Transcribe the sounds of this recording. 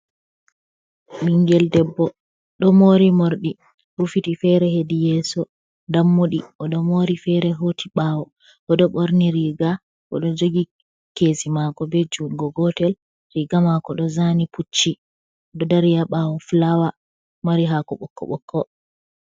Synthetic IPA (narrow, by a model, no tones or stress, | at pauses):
miŋɡɛldɛbːɔ | ɗɔmoɾimoɾɗi | ɾufitifɛɾɛhedijɛsɔ | damːoɗiɔɗɔmoɾifɛɾɛɦotʰiɓawɔ | ʔɔɗɔɓoɾniɾiɡa | ʔɔ̰ɗɔd͡ʒoɡi | kesimakɔbɛd͡ʒuɡɔɡɔtɛl | ɾiɡamakɔɗɔzaniput͡ʃːi | ɔɗɔdaɾijaɓawɔflawa | maɾiɦakɔɓɔkʰːɔ̰ɓɔkʰːɔ